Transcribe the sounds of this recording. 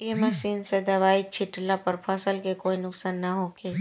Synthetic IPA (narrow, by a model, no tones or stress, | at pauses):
jemɐʃiːnsed̪ɐʋaːit͡ʃʰɪʈlapɐɾpʰəsəlkekoːinʊksaːnːɐɦoːkeː